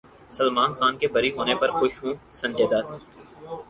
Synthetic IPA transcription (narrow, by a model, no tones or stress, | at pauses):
səlmaːnxaːnkebɐɾiɦoːnepɐɾxʊʃɦũːsɐ̃nʲd͡ʒeːd̪aː